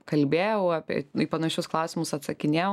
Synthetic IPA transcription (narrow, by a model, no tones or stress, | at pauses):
kɐlʲbʲeːjɛʊɑːpʲɛ̰ipɐnɐʃʲʊsklˠɐʊsʲɪmʊsɐt̪sɐkʲɪnʲeːj